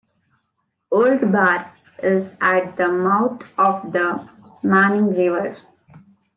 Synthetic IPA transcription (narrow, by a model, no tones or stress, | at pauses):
oːlɖbaɾ | ɪzæʈ̚d̪əmaʊt̪ʰɔːʋd̪əmãːnɪ̃ŋɡɾɪʋəɾ